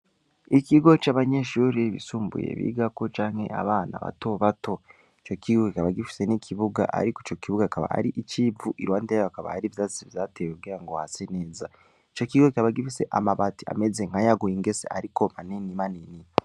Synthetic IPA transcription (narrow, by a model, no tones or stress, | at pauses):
ikiɡo̞t͡ʃaβaɲeʃuːɾiβḭsuːmbṵjḛβḭːɡako̞t͡ʃaːŋhe̞̰ʔa̰βaːna̰βa̰to̞βato̞ | it͡ʃo̞kʰiɡoaβaɡifi̥se̞nikʰiβuɡa̰ʔa̰ɾikoit͡ʃo̞kiβuɡakaβa̰a̰ɾiʔit͡ʃivuʔiɾwaːndajoakaβa̰haɾivjazivjaːteːweɡiːɾaŋɡo̞ha̰sene̞ːza | it͡ʃo̞kiɡokʲaβaɡifise̞̰ʔa̰maβati̥a̰meze̞ŋ̥hajaɡujiŋɡeseaɾikomaninimanini